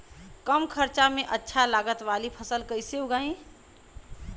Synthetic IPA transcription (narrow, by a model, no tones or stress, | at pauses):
kəmkʰəɾt͡ʃamẽʔətːʃʰalaːɡət̪ʋaːlipʰəsəlkəɪseʊɡaːĩː